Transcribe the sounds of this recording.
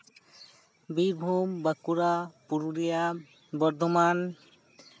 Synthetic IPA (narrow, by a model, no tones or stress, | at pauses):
biɾbʱumbakuɾapuɾuɾija | bɔɾd̪ʱoman